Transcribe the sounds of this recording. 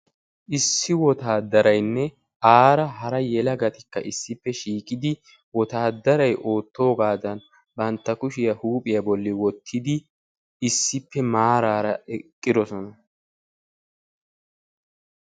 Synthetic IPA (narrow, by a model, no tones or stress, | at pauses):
ʔɪsːɪwɔt̪aːd̪ɐɾɐjnːɛ | ʔaːɾɐhɐɾɐjɛlɐɡɐt̪ɪkːɐ̰ʔɪsːɪpːɛʃiːkʼɪd̪ɪ | wɔt̪aːd̪ɐɾɐjʔo̞ːt̪ːo̞ːɡaːd̪ɐn | bɐnt̪ːɐkʊʃɪjɐhuːpʼɪjɐbɔlːɪwɔt̪ʰːɪd̪ɪ | ɪsːɪpːɛmaːɾaːɾɐɛkʼːɪd̪ɔsɔnɐ